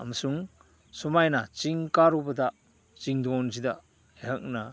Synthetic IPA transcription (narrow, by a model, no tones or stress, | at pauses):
ɐ̰mɐsuŋ | sumajnat͡ʃiŋkaɾubɐda | t͡ʃiŋdɔnz̬ida | eɦɐk̚na